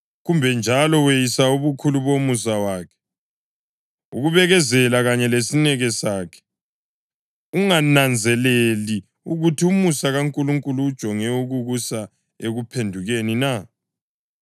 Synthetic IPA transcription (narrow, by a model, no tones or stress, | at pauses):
ɣumbʱɛnd͡ʒʱalɔwejisauβukʰuluβomus̬awaːkʰɛ̥ | uɣuβɛɣɛzɛlaɣaɲɛlesinɛɣɛsaːkʰɛ̥ | uŋanand͡zʱɛleli | uɣutʰiumusaɣaŋkʼuluŋkʼuluːd̥ʒ̥ʱɔŋɛuɣuɣusa | eɣupʰendʱuɣenina